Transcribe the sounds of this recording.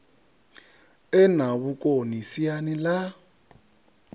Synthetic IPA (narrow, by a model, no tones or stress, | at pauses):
ɛnaβukʼonisianila